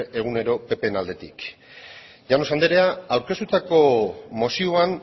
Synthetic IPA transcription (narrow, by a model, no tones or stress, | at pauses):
ʔe̞ɣ̞une̞ɾo̞pe̞pe̞nald̪e̞t̪ik | ʝano̞sand̪e̞ɾe̞aawɾke̞st̪ut̪ako̞mo̞sioan